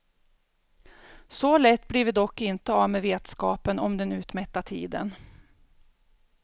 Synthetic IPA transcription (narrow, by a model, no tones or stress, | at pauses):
sɔlɛt̪ːbliːvd̪ɔkːɪnt̪əavmeveːt̪skɑːpənɔmd̪ɛnʉ̟ːt̪mɛt̪ːat̪ʰḭːd̪ə̰n